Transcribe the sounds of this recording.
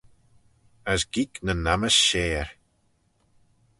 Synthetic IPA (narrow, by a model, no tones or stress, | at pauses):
əsɡiknənaməsʃeːɹ